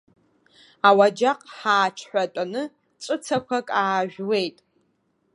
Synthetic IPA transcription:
awad͡ʒaqʼħaːt͡ʃʰħʷᶣatʼanɨ | t͡ʃʷʼɨt͡sʰakʷʰakʼaːʒᶣwe̞jtʼ

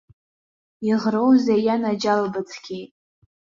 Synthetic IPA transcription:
iʁrowzajanad͡ʒalbat͡sʰkʲʰejtʼ

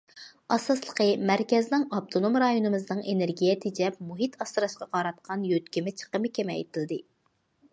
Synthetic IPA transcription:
ɑsɑslˠəqəmæɾkʲɛznɪŋɑp̚t̪ʰonomɾɑjonɨmɨznɨŋeneɾɡʲijɛt̪ʰid͡ʒɛp̚muɦit̪ʰɑst̪ɨɾɑʃqɑqɑɾɑt̪̚qʰɑnjøt̪kʲimɪt͡ʃʰə̥qəmɨkʲʰemɛ̰ːjt̪ʰɨlˠɨd̪ɨ

